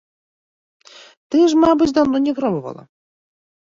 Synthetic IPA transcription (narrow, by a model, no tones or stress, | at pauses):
t̪ɨʐmabɨt͡sʲd̪awnɔnʲɛɣɾɔmɔva̰lˠɐ̰